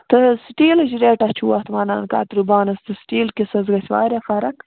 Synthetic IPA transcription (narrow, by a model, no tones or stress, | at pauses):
t̪əsʈiːlɐd͡ʒiɾeːʈat͡ʃʰuːwɐt̪maːnɑ̰ːnka̰ːt̪ɾubɑːnɐst̪ɨsʈiːlkisɐzɡɐswɑ̰ːɾʲaxaɾɐk